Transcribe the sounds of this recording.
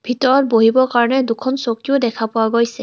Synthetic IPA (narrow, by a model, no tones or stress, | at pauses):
bʱitɔɹɔt̚boɦibɔɹkaɹɔnɛdukʰɔnsokiʊdɛkʰapʊwaɡojsɛ